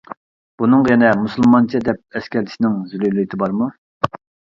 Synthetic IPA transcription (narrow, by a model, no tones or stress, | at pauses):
b̥unɨŋjɛnɛmusɨlˠmɑnt͡ʃʰɛd̪ɛp̚ɛskʲɛɾt̪ʰɪ̥ʃnɪŋzylylit̪ʰɪbɑɾmu